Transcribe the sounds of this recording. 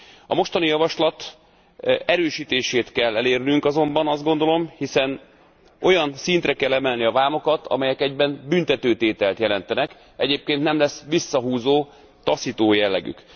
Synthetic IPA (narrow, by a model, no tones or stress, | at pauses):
ɒ̰mo̞ʃt̪ɒnijɒvɒʃlɒt̪ | ɛɾøːʃiːt̪eːʃeːt̪kɛlːɛleːrnyŋkɒzo̞mbɒnɒzd̪ɡo̞nd̪o̞lo̞mhisɛn | o̞jɒnsint̪rɛkɛlːɛmɛlniɒvaːmo̞kɒt̪ʰɒ̰mɛjɛkɛɟbɛnbynt̪ɛt̪øːt̪eːt̪ɛlt̪jɛlɛnt̪ɛnɛk | ɛɟeːp̚keːnt̪nɛmlɛsʋisːɒɦuːzoː | t̪ɒsit̪oːjɛlːɛ̰ɡy̰k